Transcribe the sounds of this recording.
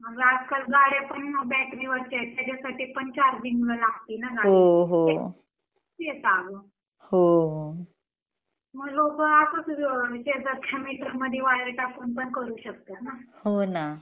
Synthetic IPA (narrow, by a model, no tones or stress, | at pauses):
m̤əɡad͡zkalɡaɽepəɳbɛʈmiʋəɾt͡ɕat̪jad͡ʑasaʈiːpəɳt͡ɕaɾd̪iŋɡləlaɡ̚t̪iːnaɡaɽoɦoe | et̪aɡo | hoɦo | məɡlokəatəsɕed̪ət̪kʰːamiʈəɾməd̪ʱjeʋaɽɾeʈaponpəɳkəɾuːɕək̚t̪ənahona